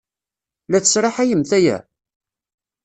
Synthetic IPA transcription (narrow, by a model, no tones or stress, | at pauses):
læθə̥sɾˤɑħæjəmθæjæ̰